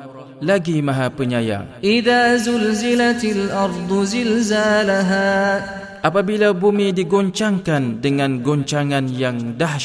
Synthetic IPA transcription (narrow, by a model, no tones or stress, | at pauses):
laɡimãɦapəɲaja̰ʔɪðaːzʊlzɪlat̪alʔɑɾˤd̪ˤzɪlzaːlaɦaː | ʔapabilabumidiɡɔɲt͡ʃaŋkandəŋãnɡɔɲt͡ʃaŋanjaŋdah